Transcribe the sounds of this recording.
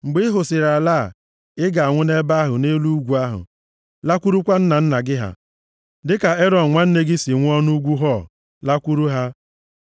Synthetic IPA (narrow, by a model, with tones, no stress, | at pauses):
ŋ͡m̩˨ɡ͡bɪ˦ɪ˦ɦʊ˨sɪ˨ɾa˨laː˦˨ | ɪ˦ɡa˨a˨ŋʷʊ˦ne˦ba˦ɦʊ˨ne˦lu˦ɡʷu˨a˦ɦʊ̰˨ | la˦kʷu˦ɾu˦kʷa˦n̩˦na˨n̩˦na˨ɡɪ˦ɦa̰˨ | dɪ˦ka˨e˦ɾɔ˨n̩˨ŋʷa˦n̩˦ne˦ɡɪ˦si˨ŋʷ˦ɔ˦nu˦ɡʷu˦ɦɔ˦˨ | la˦kʷu˦ɾu˦ɦa˦